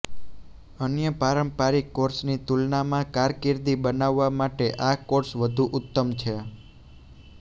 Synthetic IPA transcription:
ənjəpaɾəmpaɾikːoɾsnit̪ulnamãkaɾkiɾd̪ibənaʋːamaʈeʔakoɾsʋəd̪ʱuʔʊt̪ːəmt͡ʃʰe

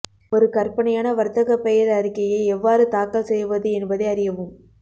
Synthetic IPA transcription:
ɔɾɯkɐɾpɐɳɐjaːnɐʋɐɾt̪ɐɣɐpːɛjɐɾɐɾɪkːɐjɐɪɛʋːaːɾɯt̪aːkːɐlsɛjʋɐðɯɛnbɐðɐɪɐɾɪjɐʋɯm

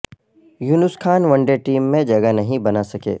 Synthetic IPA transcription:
juːnʊskʰaːnʋɐ̃ɳɖeʈiːmːẽd͡ʒɐɡənɐɦĩbɐnasɐkḛː

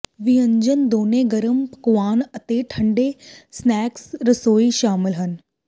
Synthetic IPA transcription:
ʋiə̃ɲd͡ʑənd̪oːneɡɐɾəmpɐkʋaːnɐt̪eʈʰɐ̃ɳɖesnɛːksɾɐsoːiʃaːmɪlɦənɪ̆

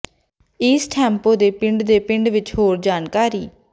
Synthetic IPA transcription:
iːsʈʰɛ̃ːmpoːd̪eːpɪ̃ɳɖd̪eːpɪɳɖʋɪt͡ʃɦoːɾd͡ʒaːnkaːɾiː

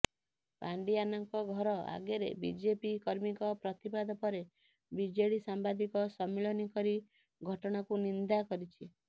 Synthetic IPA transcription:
paɳɖianɔŋkɔɡʱɔɾɔa̰ɡeɾḛbḭd͡ʒepikɔɾmikɔpɾɔt̪ipad̪ʱɔpɔɾe | bid͡ʒeɽisambad̪ikɔsɔmeɭɔnikɔɾi | ɡʱɔʈɔɽ̃akunind̪akɔɾit͡ʃʰi

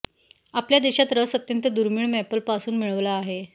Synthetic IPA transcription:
apljad̪eɕat̪ɾəsət̪jənt̪əd̪uɾmiɭmæpəlpasuːnmiɭəʋlaːɦe

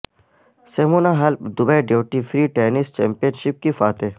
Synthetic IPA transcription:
seːmuːnaɦɐlpd̪ʊbejɖeːwʈifɾiːʈeːnisʈt͡ʃɛ̰ːmpijənʃɪp̚kifaːt̪eː

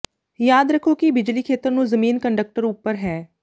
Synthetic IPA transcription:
jaːd̪ɾəkʰːoːkibɪd͡ʒliːkʰeːt̪əɾnũːzəmiːnkəɳɖək̚ʈəɾʊpːəɾɦɛː

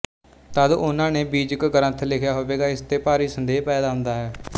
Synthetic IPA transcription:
t̪əd̪ʊnãːneːbiːd͡ʒəkɡəɾə̃t̪ʰlɪkʰjaːɦoːʋeːɡaːɪst̪eːpaːɾiːsənd̪eːɦpɛːd̪aːɦʊ̃nd̪aːɦɛː

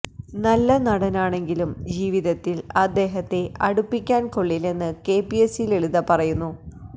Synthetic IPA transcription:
nɐlːɐnɐɽɐnaːɳe̞ŋɡilumd͡ʑiːʋiðɐt̪ːilɐd̪ːe̞ːɦɐt̪ːe̞ʔɐɽupːikʲːaːnko̞ɭːile̞nːɨke̞ːpiesileɭuðɐpɐrɐjunːu

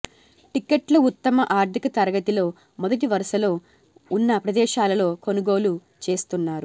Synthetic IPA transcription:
ʈikːeʈlɐut̪ːɐmɐʔaːɾt̪ikɐt̪ɐɾɐɡɐt̪ilo̞ː | mɔd̪ɐʈ̬iʋɐɾɐʃɐlo̞ː | unːɐpɾɐd̪ɛːʃaːlɐlo̞ːko̞nuɡo̞ːlu | t͡ʃe̞ːst̪unːaːɾu

